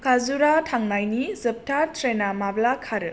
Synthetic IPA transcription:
kʰazuɾatʰaŋnajnizɯp̚tʰaɾtʰɾenamablakʰaɾɯ

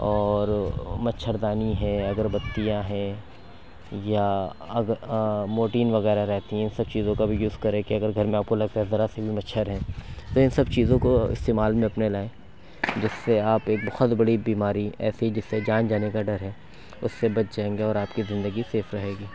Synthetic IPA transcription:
ɔːɾmɐtːʃʰəɾd̪aːniɦɛ̃ɐɡəɾbɐt̪ːijãɦɛ̃ | jaɐɡmoːʈiːnʋɐɣɛːɾaɾɛɦt̪iɦɛ̃ɪnsɐb̚t͡ʃiːzõkabʱijuːskɐɾẽkiɐɡəɾɡʱɐɾmẽaːp̚kolɐɡ̚t̪aɦɛzɐɾasebʱimɐtːʃʰəɾɦɛ̃ːt̪oɪ̃nsɐbt͡ʃiːzõkoɪ̰st̪eːmaːlmẽɐpnelaːẽː | d͡ʒɪsːeaːpeːk̚bɐhɔt̪bɐɽibiːmaːɾiɛ̰ːsiɦid͡ʒɪsːed͡ʒaːnd͡ʒaːnekaɖɐɾɦɛː | ʊsːebɐt̪̚d͡ʒaːẽːŋɡeɔːɾaːpkizɪ̃nd̪əɡiseːfɾɐɦeːɡiː

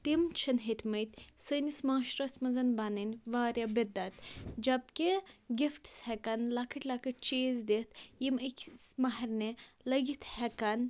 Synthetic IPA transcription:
t̪imt͡ʃʰɐnɦet̪ʰʲmɐjt̪ʲsənismaːʃɾɐsʲmɐzɐnbɐnɐnʲʋaːɾʲjɐbed̪ɐt̪d͡ʒɐb̚keɡʲifʈshɛkɐnlɐkʰɐʈlɐkʰəʈ̚t͡ʃeːzd̪et̪jiməkʰsmɐɦɐɾnelɐɡit̪hɛkɐn

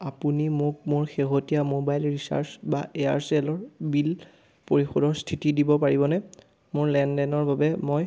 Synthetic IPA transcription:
apunimʊk̚moɹxeɦotijamobajlɹisa̰ɹsbaea̰ɹsɛlɔɹbil | poɹixɔdɔɹstʰitidibɔpaɹibɔnɛ | moɹlɛndɛnɔɹbʱabɛmoj

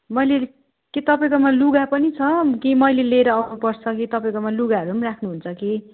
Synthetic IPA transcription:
mʌjle | ket̪ʌpãkomaluɡapʌnit͡sʰʌkimʌjleleɾʌawnupʌrt͡sʰʌkit̪ʌpaj̃komaluɡaɦʌɾuɦʌmirakʰnuɦunt͡sʰʌke

